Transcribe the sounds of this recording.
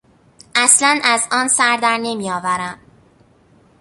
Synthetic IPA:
ʔæslænæzɒːnsæɾd̪æɾne̞mijɒːvæɾæmd̪

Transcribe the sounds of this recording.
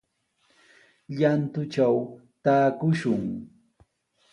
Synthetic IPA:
ʎant̪ʊt͡ʃaw | t̪aːkʊʃʊŋ

